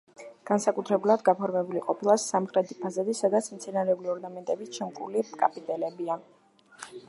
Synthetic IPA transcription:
ɡ̥ansakʼut̪ʰɾɛbulˠad̪ɡapʰɔɾmɛbuliqʼɔpʰilˠasːamχɾɛt̪ʰi̥pʰazad̪isad̪at̪sʰmt̪sʰɛnaɾɛubliɔɾnamɛnt̪ʼɛbit͡ʃʰɛmkʼṵlikʼapʼit̪ʼɛlɛbia

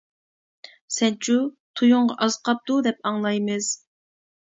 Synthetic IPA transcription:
sɛnt͡ʃʰut̪ʰujʊɴʁɑʔɑzqʰɑp̚t̪ud̪ɛp̚ɑŋlˠɑjmɨz̥

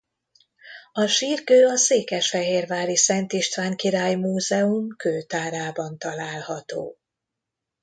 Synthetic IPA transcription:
ɒʃiːrkøːɒseːkɛʃfɛɦeːrvaːɾisɛnt̪iʃt̪ʋaːŋkiɾaːjmuːzɛumkøːt̪aːɾaːbɒnt̪ɒlaːlhɒt̪o̰ː

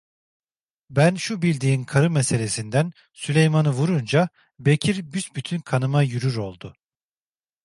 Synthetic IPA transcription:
bænʃubilʲd̪iːnkʰaɾɯmese̞lʲe̞sind̪æn | sylʲe̞jmanɯvuɾund͡ʒa | be̞cʰiɾbysbyt̪ʰynkʰanɯmajyɾyɾo̞lˠd̪ʊ

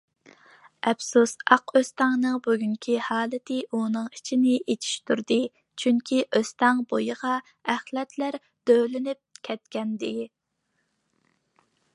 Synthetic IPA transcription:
ʔɛfsusɑqʰøst̪ɑŋnɨŋbyɡʲyŋkʲʰihɑːlˠɨt̪ʰɪʔunɨŋit͡ʃʰinɪet͡ʃ̪ʰi̥ʃt̪ʰuɾd̪ɨ | t͡ʃʰyŋkʲʰiʔøst̪ɑŋbojəʁɑ | æχlɛt̪ʰlæɾ | d̪̥ølɪnyp̚kʲʰɛt̪kʲɛnd̪ɪ

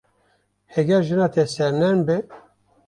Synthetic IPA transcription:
hɛɡɛɾʒɨnɑːt̪ʰɛsɛɾnɛnbɪ

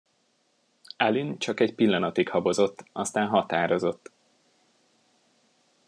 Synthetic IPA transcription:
ɛlynt͡ʃɒkɛcpilːɒnɒt̪ikhɒbo̞zo̞t̪ːɒst̪aːnɦɒt̪aːɾo̞zo̞t̪ː

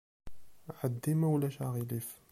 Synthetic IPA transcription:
ʕəd̪ːimæwlæʃaɣilif

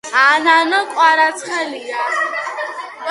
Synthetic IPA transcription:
ananɔkʷʼaɾat͡sχaliɡa

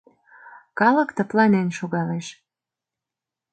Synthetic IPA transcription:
kɑlə̆kt̪ə̆plɑnenʃoɣɑleʃ

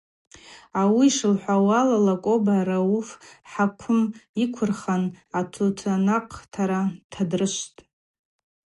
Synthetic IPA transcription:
awiʂɨlħʷawalalakʷʼobaɾaufħakʷʰʊmikʷʰʊrχanatʰutʰanaqʼtʰaɾatʰadrɨʃʷtʼ

